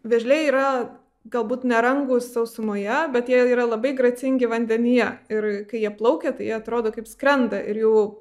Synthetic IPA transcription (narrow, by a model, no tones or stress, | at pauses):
ʋʲɛʒʲlʲeːiːɾɐ | ɡɐlˠbuːt̪nʲɛɾɐŋɡʊssɐʊsʊmoːjɛbʲɛt̪jiɛiːɾɐlˠɐbɐɪɡɾɐt͡sʲɪŋʲɡʲɪʋɐnʲd̪ʲɛnʲɪjɛɪrkɐɪjiɛplˠɐʊkʲɛt̪ɐɪjiɛɐt̪ɾoːd̪oːkɐɪpskɾʲɛnd̪ɐʔɪɾjuʊ